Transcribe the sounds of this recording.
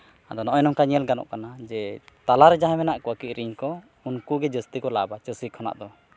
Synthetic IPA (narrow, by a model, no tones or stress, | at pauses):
ad̪ɔnɔʔɔjnɔmkaɲɛlɡanɔ̰ʔkanad͡ʒɛt̪alaɾɛd͡ʒaɦɛ̃mɛnaʔkɔwakiʔ̪̚ɾiɲkɔ | unkuɡɛd͡ʒəst̪ikɔlabat͡ʃəsikʰɔna̰ʔd̪ɔ